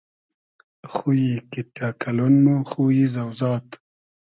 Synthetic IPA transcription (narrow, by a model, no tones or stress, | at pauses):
xujikiʈakalonmõxuizawzɑːt̪